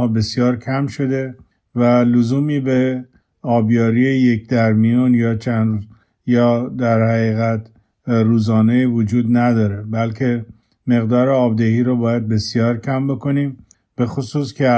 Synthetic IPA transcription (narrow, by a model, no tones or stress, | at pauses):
ɒːbe̞sjɒːɾkʰæmʃo̞d̪e̞ | vælozuːmiːbe | ɒːbjɒːɾiːejekd̪æɾmijunjɒːt͡ʃʰænd̪z | jɒːd̪æɾhæɣiːɣæt̪ | ruːzɒːnejivod͡ʒuːd̪næd̪ɒːɾe̞bælkʰe̞ | me̞ɣd̪ɒːɾeɒːbd̪ehiːɾobɒːjæd̪̚be̞sijɒːɾcʰæmbo̞kʰo̞niːm | b̥e̞xosuːskʲʰe